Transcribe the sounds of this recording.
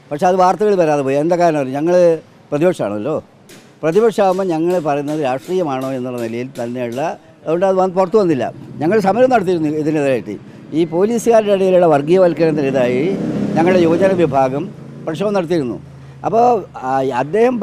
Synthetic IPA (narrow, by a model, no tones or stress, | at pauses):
pɐkʂe̞ɐðɨʋaːrt̪ɐɣɐɭʋɐɾaːðɨpoːjend̪aːkːaːɾɐmpɐrɲːuɲɐŋːɐɭ | prɐðibɐkʂɐma̰ːɳɐ̰lːo̞ː | prɐðibɐkʂaːʋumːɐɲɐŋːɐɭpɐrɐjunːɐðɨɾaːʂʈriːjɐmaːɳo̞ːe̞nːuɭːɐnilɐjilt̪ɐnːeɭːɐ | oɳɖɐðʋɐpurɐt̪ːuʋɐnːilːɐ̰ɲɐŋːɐɭsɐmɐɾɐmnɐɽɐt̪ːiɾunːuiðineðɐaːjiʈːɨ̰ | iːpo̞ːliːsɨɣaːɾɖeɽɐjiluɭːɐʋɐrɡijɐʋɐlkːɐnɐnːɐliðaːjiɲɐŋːɐɭɽejoːd͡ʑɐnɐʋibʱaːɡɐm | prɐʂɐːɐmnɐɽɐt̪ːijiɾunːṵ | ɐ̰pːoːɐd̪ːe̞ːhɐm